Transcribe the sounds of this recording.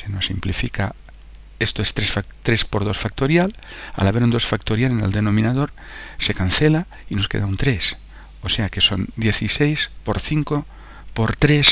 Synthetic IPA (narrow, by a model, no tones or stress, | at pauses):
seno̞simplifika | e̞st̪oest̪ɾesfat̪ɾespo̞ɾð̞o̞sfak̚t̪oɾjala̰laβeund̪o̞sfakt̪oɾjaleneld̪e̞nõ̞mĩnað̞o̞ɾ | se̞kan̟θela | ino̞ske̞̰ðaunt̪ɾes | ose̞ake̞so̞̰nd̪je̞θisejspo̞ɾθiŋko | po̞ɾt̪ɾes